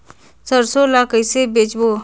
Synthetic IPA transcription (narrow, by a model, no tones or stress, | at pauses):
səɾsolakəjsebeːt͡ʃbo